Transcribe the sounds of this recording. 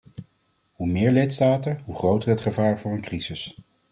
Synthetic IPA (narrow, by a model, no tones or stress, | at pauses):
humɪːɹlɪtstaːtəɦuχrowtərɦətχəvaːɹvʊːɹənkrizɪs